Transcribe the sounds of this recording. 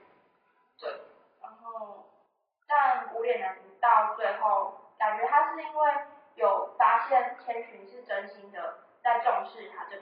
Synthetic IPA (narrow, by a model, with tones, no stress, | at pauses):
t̪we˥˩ɪ | ɻa˧˦nxo˥˩ʊ | t̪a˥˧nku˧˥ljɛ˨˩nə˨˦npu˧˥t̪ɑ˥˨ʊt͡swe˥˧ɪxo˥˩ʊka˨˩nt͡ɕɥɛ˧˥t̪ʰa˥ʂɻ̩˥˩i˥nwe˥˩ɪ | jo˨˩ʊfa˥ɕjɛ˥˩nt̪ʰjɛ˧˥nt͡ɕʰy˧˥nʂɻ̩˥˩ʈ͡ʂə˧˦˥nɕi˧˥ŋd̪ə˨ | t͡sa˥˧ɪʈ͡ʂʊ˥˧ŋʂɻ̩˥˩t̪ʰa˥t͡ɕo˥˩